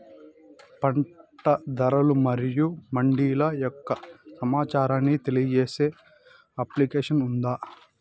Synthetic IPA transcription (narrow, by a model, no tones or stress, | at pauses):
pɐɳʈɐd̪ɐɾɐlumɐɾijumɐɳɖiːlɐjɔkːɐsɐmaːt͡ʃaːɾaːnːit̪e̞lijɐd͡ʒeːse̞ː | ɐplikeːʂɐnund̪aː